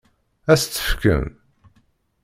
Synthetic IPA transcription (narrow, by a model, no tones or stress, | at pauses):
æst͡s̪ːə̥fkə̰m